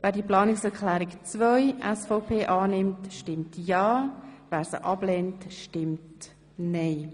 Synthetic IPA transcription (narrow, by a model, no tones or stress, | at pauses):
væːdiəplɑːnɪksɛɾkʰlæːɾikt͡svœjʔɛsfɔpʰeːʔɑːnɪmtʃtɪmtjɑːvæːɾsə̰ʔɑb̥lɛntʃtɪmt | nɛɪ